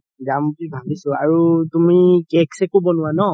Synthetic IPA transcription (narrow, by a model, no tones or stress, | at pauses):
ɡamtibʱabisɔaɹutumikɛksɛkobɔnʊwanɔ